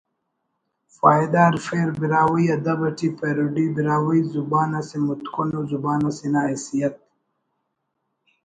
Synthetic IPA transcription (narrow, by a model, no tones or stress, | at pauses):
faːjd̪aːɾfeːɾbiɾaːwəjad̪abɐʈipeɾuɖibiɾaːwijzubaːnasimut̪kunozubaːnasinaesijat̪̚